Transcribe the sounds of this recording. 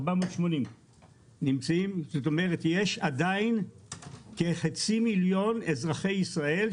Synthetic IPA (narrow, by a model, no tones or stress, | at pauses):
bamoːtʃmo̞nim | nimt͡saimzoto̞me̞ʁetjeʃadain | ke̞χat͡similjo̞ne̞zʁaχe̞jisʁae̞l